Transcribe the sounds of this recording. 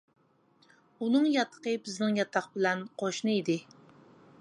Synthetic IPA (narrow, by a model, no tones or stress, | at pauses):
unɨŋjɑt̪ʰːə̥qəbɪznɪŋjɑt̪ʰːɑχbɪlɛnqʰoʃnɨid̪ɪ